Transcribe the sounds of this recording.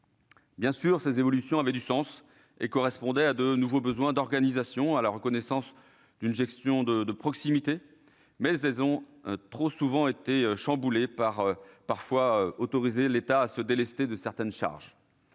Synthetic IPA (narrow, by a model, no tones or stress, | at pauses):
bjɛ̃syʁsezevɔlysjɔ̃avɛd̪ysɑ̃s | ḛkɔʁɛspɔ̃d̪ɛad̪ənuvobəzwɛ̃d̪ɔʁɡanizasjɔ̃alaʁəkɔnɛsɑ̃s | d̪ynʒɛkst̪jɔ̃d̪əd̪əpχɔksimit̪e | mɛzɛlzɔ̃ | t̪χosuvɑ̃et̪eøʃɑ̃bulepaʁøpaʁfwaøot̪ɔʁizelet̪aːsəd̪elɛst̪ed̪əsɛʁt̪ɛnʃa̰ʁʒ